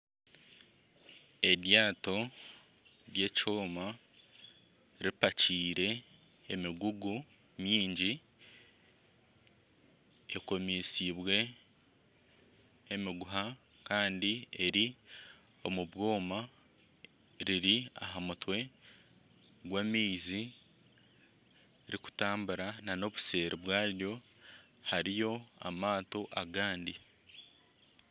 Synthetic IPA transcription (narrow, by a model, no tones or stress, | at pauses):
e̞djaːto̞ | ɾje̞ːcoːma | ɾipaciːɾe̞ː | miɡuɡu | mjiːɲɟi | ḛko̞miːsiβwe̞ | miɡuɦa | kaːndie̞ɾi | o̞muβwo̞ːma | ɾiɾia̰ɦamutwe̞ | ɡwamiːzi | ɾiku̥taːmbuɾanano̞βu̥se̞ːɾiβwaːɾjo̞ | haɾijo̞a̰maːto̞ʔaɡaːndi